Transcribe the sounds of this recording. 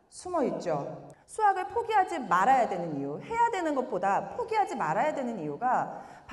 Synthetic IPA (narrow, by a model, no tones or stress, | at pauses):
sʰumʌit̚t͡ɕ͈osʰuaɡɯɭpʰoɡiɦad͡ʑimaɾajadwe̞nɯnijuhe̞jadwe̞nɯnɡʌt̚p͈odapʰoɡiɦad͡ʑimaɾajadwe̞nɯnijuɡap